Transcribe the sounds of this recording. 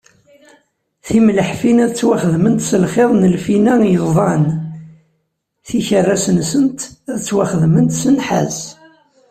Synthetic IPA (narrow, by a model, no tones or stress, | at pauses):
θimləħfinæðt͡sːwaχəðmənt̪səlχeðˤnəlfinæjəvðˤɑn | θiçərːæsənsənt̪æðt͡sːwaχəðmənt̪sənħa̰z